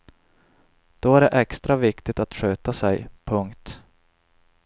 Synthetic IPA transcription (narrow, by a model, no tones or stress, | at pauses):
d̪̥ɔæɖɛʔɛkst̪ɾavɪkt̪ɪt̪at̪ɧøːt̪asɛjpʰɵŋkt̪